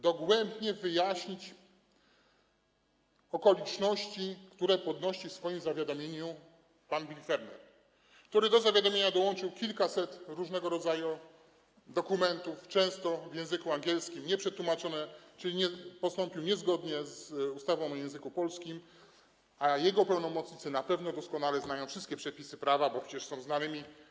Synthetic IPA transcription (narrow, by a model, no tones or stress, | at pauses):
d̪ɔɡwɛmbɲɛvɘjaɕɲit͡ɕ | ɔkɔlʲit͡ʂnɔɕt͡ɕikt̪uɾɛpɔd̪nɔɕifsfɔjimzavʲjad̪ɔmʲjeɲu | panvʲilʲfɛɾnɛ̰ɾ | kt̪uɾɘd̪ɔzavʲjad̪ɔmʲjeɲad̪ɔwɔnt͡ʂɘwkʲilkasɛt̪ɾuʐnɛɡɔɾɔd̪zaju | d̪ɔkumɛnt̪uft͡ʂɛ̃w̃st̪ɔvʲjɛ̃w̃zɘkuaŋɡʲjɛlskʲimɲɛpʂɛt̪wumat͡ʂɔnɛt͡ʂɘlʲiɲɛpɔst̪ɔ̃mpʲiwɲɛzɡɔd̪ɲɛzust̪avɔ̃w̃jɛ̃w̃zɘkupɔlskʲim | ajɛɡɔpanɔmɔt̪sɲit̪sɛnapɛvnɔd̪ɔskɔnalɛznajɔ̃w̃fʂɘst̪kʲɛpʂɛpʲisɘpɾavabɔpʂɛ̥t͡ɕɛʂsɔ̃w̃znanɘmʲi